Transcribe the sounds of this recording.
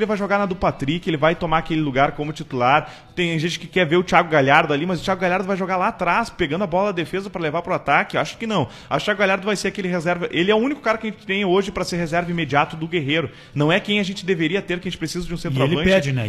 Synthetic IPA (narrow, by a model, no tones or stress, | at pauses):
elɪvajʒoɡaɾnɐd̪ʊpat̪ɾikɪelɪvajt̪omaɾakelɪluɡaɾkõmʊt͡ʃit̪ulaɾ | t̪ẽj̃ʒẽnt͡ʃɪ̥kɪkɛɾveɾʊt͡ʃiaɡʊɡaʎaɾd̪ʊalimɐzʊt͡ʃiaɡʊɡaʎaɾd̪ʊvajʒoɡalaːt̪ɾaspeɡɐ̃nd̪ʊɐbɔlɐɐd̪efezɐpɾɐlevaɾpɾʊat̪akɪaʃʊ̥kɪnɐ̃w̃ | ɐt͡ʃiaɡʊɡaʎjaɾd̪ʊvajseɾakelɪɦezɛɾvɐʔelɪɛʊũnikʊ̥kaɾɐkɪɐʒẽnt͡ʃɪ̥t̪ẽj̃oʒɪpɾɐseɾhezɛɾvɐimed͡ʒiat̪ʊd̪ʊɡeɦeɾʊ | nɐ̃w̃ɛkẽj̃aʒẽnt͡ʃɪd̪eveɾiɐt̪eɾkaɐẽnt͡ʃɪpɾesizɐd͡ʒɪũsẽnt̪ɾaelɐ̃pt͡ʃɛɪd͡ʒɪnɛ̰